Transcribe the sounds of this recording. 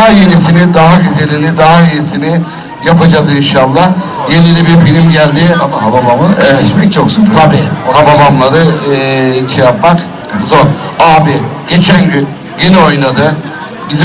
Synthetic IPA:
ɦaje̞nisinid̪aɦaɟyzelinid̪aɦajejisinɪ | japʰad͡ʒazinʃablˠa | jenilʲibiɾfilʲimɟælʲd̪ɪbaeʃmɛct͡ʃʰokst̪ʰabiːababamlˠaɾɯ | t͡ʃʰejapmak | zo̞ɾaːbiɟ̥e̞t͡ʃʰænɟyn | jinɛo̞jnad̪ɯ | biz

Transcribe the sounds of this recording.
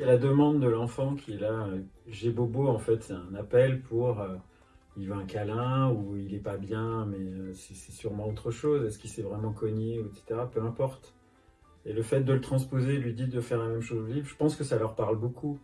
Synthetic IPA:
sɛlad̪əmɑ̃d̪ːəlɑ̃fɑ̃kʲʰiɛlaøʒeboboɑ̃fɛt̪sɛt̪ɛ̃napɛlpʰuʁø | ilvaɛ̃kalɛ̃uilɛpabjɛ̃mɛøsɛsɛsyʁmɑ̃ot̪χəʃozɛskilsɛvʁɛmɑ̃kɔɲeuɛt̪se̥t̪eʁapøɛ̃pɔʁt̪ | eləfɛt̪̚d̪ələt̪χɑ̃spozelɥid̪id̪əfɛʁlamɛmʃozəlivʁʒəpɑ̃skəsalœʁpaʁlbokʰu

